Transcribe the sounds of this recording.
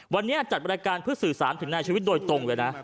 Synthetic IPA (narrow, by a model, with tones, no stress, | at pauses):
wa˧nːi˦˥ʔa˨˩t͡ɕa˨˩a˧nja˧kaː˧npʰɯ˥˩ɐ˩sɯː˨˩saː˩˦nt̪ʰɯ˩˦ŋnaː˧jt͡ɕʰiː˧wi˦˥t̪̚doː˧jt̪o˧ŋu˨˩jna˦˥ʔ